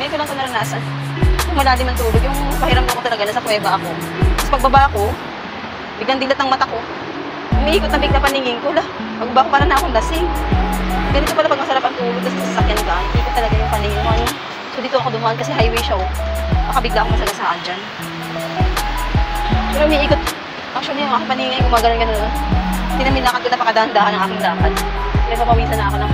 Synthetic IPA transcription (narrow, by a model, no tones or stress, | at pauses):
mɛkolɐŋkɐnɐɾɐnaːsɐn | kʊŋmɐlaːd̪ɪmɐnt̪uːloɡjʊŋpɐhiɾam̚noɐkot̪ɐlɐɡanɐsɐpwɛːbɐʔɐko̞t̪ɐspɐɡ̚bɐbaʔɐko̞ | bɪɡjɐnd̪ɪnlat̪ːɐŋmɐt̪ako̞ | ʊmɪʔiːkʊt̪ːɐŋbɪɡ̚lapɐnɪŋɪŋkola | pɐɡbɐbaʔko̞paːɾɐnɐʔɐkond̪asɪŋ | ɡɐnɪt̪opɐlapɐɡ̚mɐsɐɾapɐŋt̪uːloɡ̚d̪ɐssɐsɐkjankamʔiːkʊt̪ːɐlɐɡajʊŋpɐnɪŋɪnkoɐjon | sod̪iːt̪oʔɐkod̪ʊmʔonkɐsɛɦajwɛjʃaomɐkɐbɪɡlaʔkomɐsɐlasaːʔand͡ʒan | pɛɾoʔʊmiʔiːkot̪ | ʔɐkʃonɐjʊŋʔaːkɪŋpɐniŋankʊmɐaɡɐnonɡɐnonɐt̪ɪnɐmbɪnaːkɐt̪̚konɐpɐkɐd̪aːʔɐnd̪aːkɐnɐŋʔaːkɪŋd̪aːpɐt̪̚pɪnɐɡ̚ɐmɐwiːnt̪ɐnɐʔɐkonɐ